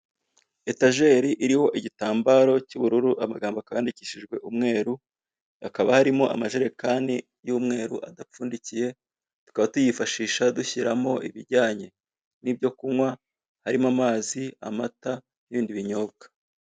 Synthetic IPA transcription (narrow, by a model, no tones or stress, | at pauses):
e̞taʒe̞ɾiʔiɾiho̞ʔiɟitaːmbaɾo̞cuβuɾuɾuʔamaɡaːmboakajaːndiciːʃiʒɡwe̞ʔumŋe̞ːɾu | akaβahaɾimo̞ʔa̰maʒeɾe̞kaːndi | juːmŋe̞ːɾṵʔadap͡fuːndicije̞ | tu̥kaβatujifaʃiːʃaduçiɾamo̞ʔḭβiɾɟaːɲe̞ | nib̚jo̞kumwa | haɾimamaːzia̰mata | niβiːndiβiɲo̞ːbɡḁ